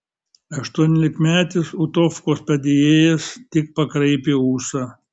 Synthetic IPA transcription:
ɐʃt̪uɔnʲɛlʲɪkmʲæːt̪ʲɪsʊt̪ɔfkoːspɐd̪ʲejeːjɛst̪ʲɪk̚pɐkɾɐɪpʲeːuːsɐ

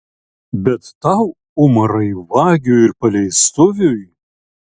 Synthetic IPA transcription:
bʲɛt̪ːɑʊ | ʊmɐɾɐɪʋɑːɡʲuɪɾpɐlʲɛɪst̪ʊʋʲʊj

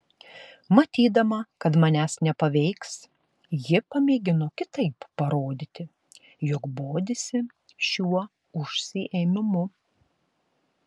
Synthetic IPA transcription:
mɐt̪ʲiːd̪ɐmɐkɐt̪mɐnʲæːsnʲɛpɐʋʲɛɪks | jɪpɐmʲeːɡʲɪnoːkʲɪt̪ɐɪpːɐɾoːd̪ʲɪt̪ʲɪ | jɔkboːd̪ʲɪsʲɪ | ʃʲuɔ | ʊʃʲsʲɪʔeːmʲɪmʊ

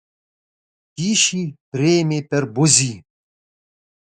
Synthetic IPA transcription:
tiːʃipreːmepɛrbuzi

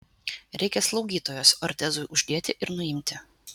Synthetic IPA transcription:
ɾʲʔɛɪkʲɛslˠɒʊɡʲiːt̪oːjoːsɔɾʲt̪ʲɛzʊɪʔʊʒʲd̪ʲiɛt̪ʲɪʔɪɾnʊɪmʲt̪ʲɪ

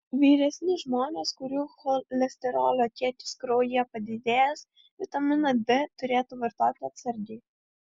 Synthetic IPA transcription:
ʋʲiːɾʲɛsʲnʲɪʒmɔnʲɛskʊɾʲuxɔlʲɛsʲt̪ʲɛɾɔ̰lʲˠɔt̪ʲɛt̪ʲɪ̥skɾɔjɛpɐd̪ʲɪd̪ʲɛɛs | ʋʲɪt̪ɐmɪnɐd̪ɛt̪ʊɾʲɛːt̪ʊʋɛɾt̪ɑːt̪ʲɪɐt̪sʲɛɾʲd̪ʲi

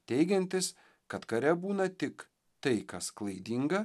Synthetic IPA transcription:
t̪ʲɛɪɡʲɛnʲt̪ʲɪs | kɐt̪kɐɾʲɛbuːnɐt̪ʲɪk | t̪ɐɪkɐsklˠɐɪd̪ʲiŋɡɐ

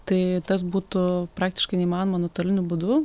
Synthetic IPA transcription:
t̪ɐɪt̪ɐsbuːt̪ʊpɾɑːk̚t̪ʲɪ̥ʃkɐɪnʲɛimɑːnomɐnoːt̪oːlʲɪnʲʊbuːd̪ʊ

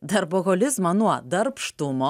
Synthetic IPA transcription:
d̪ɐɾboɣɔlʲɪzmɐnuɔd̪ɐɾpʃt̪ʊmɔ

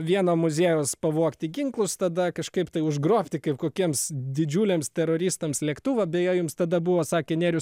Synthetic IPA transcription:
ʋʲiɛnoːmʊzʲeːjoːspɐʋuɔkt̪ʲɪɡʲɪŋklˠʊst̪ɐd̪ɐkɐʃkɐɪpt̪ɐɪʊʒɡɾoːpʲt̪ʲɪkɐɪpkoːkʲiɛmsd̪ʲɪd͡ʒʲuːlʲeːmst̪ʲɛɾoːɾʲiːst̪ɐmslʲɛkt̪uːʋɐbʲɛjojʊmst̪ɐd̪ɐbuʋoːsɑːkʲeːnʲeːɾʲʊs

